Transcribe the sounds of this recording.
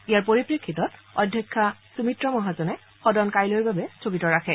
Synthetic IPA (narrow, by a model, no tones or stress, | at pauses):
ijaɹpoɹipɹikʰːitɔtɔ̰dʱjɔkʰːasumitɹɔmɔɦazɔnɛ | xɔdɔnkajlɔɹbabɛsokitɔɹakʰɛ